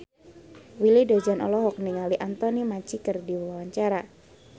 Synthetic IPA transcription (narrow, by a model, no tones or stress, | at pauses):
wilidod͡ʒanɔ̰lɔɦɔk̚niŋaliʔant̪ɔnimat͡ʃikərdiwawaɲt͡ʃaɾa